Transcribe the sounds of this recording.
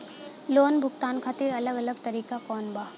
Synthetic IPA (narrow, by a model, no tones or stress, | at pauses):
loːnbʱʊɡt̪aːnkʰaːt̪ɪɾɐləɡɐləɡt̪ɐɾiːkakɔːnbaː